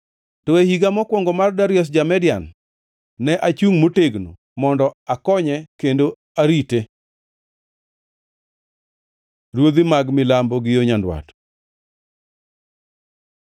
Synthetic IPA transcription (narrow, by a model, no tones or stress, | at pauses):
tɔehiɡamɔkwɔŋɡɔmardaɾjɔs̬d͡ʒamɛdja̰nː | ɛʔat͡ʃuŋmoteɡno̰ | mɔndɔakɔɲɛkendo | aɾite | ɾwod̪imaɡmɪlambɔɡɪjoɲandwa̰t